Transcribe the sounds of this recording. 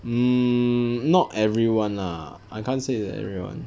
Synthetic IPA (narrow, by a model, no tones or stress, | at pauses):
m̩ | nɔtɛvɹiwãna̰ | ajkʰãnseɛ̰vɹiwã̰n